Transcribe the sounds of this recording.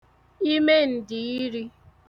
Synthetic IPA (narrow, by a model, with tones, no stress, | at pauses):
i˦me˦n̩˨dɪ˨i˦ɾi˦